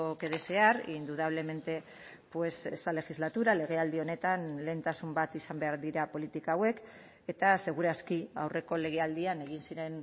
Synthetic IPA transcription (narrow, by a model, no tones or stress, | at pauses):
oke̞ðese̞aɾind̪uðaβ̞le̞me̞nt̪e̞ | pwe̞sḛst̪ale̞xizlat̪uɾale̞ɣ̞e̞ald̪io̞ne̞t̪anle̞ːnt̪asumbat̪isambe̞aɾðiɾapo̞lit̪ikaːwe̞k | e̞t̪ase̞ɣ̞uɾaskia̰wre̞ko̞le̞ɣ̞e̞ald̪iane̞ɣ̞insiɾe̞n